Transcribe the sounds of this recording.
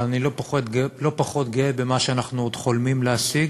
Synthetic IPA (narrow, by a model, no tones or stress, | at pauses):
anilopot̪ɡlo̞paχo̞t̪̚ɡeebemaʃeanaχnuod̪χo̞lmimleasiɡ